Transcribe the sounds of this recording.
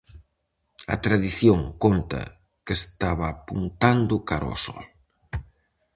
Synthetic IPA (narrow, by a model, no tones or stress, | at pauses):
ɐ̰t̪ɾaðiθjoŋkont̪ɐ̰ | kest̪aβɐːpunt̪and̪ʊkaɾɔ̰sɔ̰l